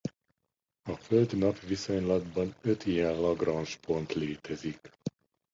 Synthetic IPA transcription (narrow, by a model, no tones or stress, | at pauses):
ɒføld̪nɒpʋiso̞ɲlɒd̪bɒnøt̪ijɛnlɒɡrɒnʃpʰo̞nt̪leːt̪ɛzik